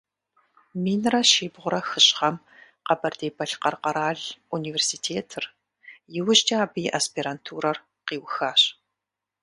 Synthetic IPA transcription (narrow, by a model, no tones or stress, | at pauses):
miːnrɐʃiːbʁʷʊɾɐxɨɕχɐm | qɐbɐrdeːbɐɬqɐrqɐɾaːɮuniːversiːtʰeːtʰɨr | jɪwʊɕt͡ʃʼɐaːbiːʔaspʰiːɾantʰuːɾɐr | qiːwxaːɕ